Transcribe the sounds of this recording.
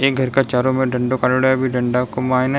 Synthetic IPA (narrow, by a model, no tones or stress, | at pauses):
eːk̚ɡʱɐɾkat͡ʃaːɾõmẽɖɐ̃ɳɖokaːloɽabʱiɖɐ̃ɳɖakomaːena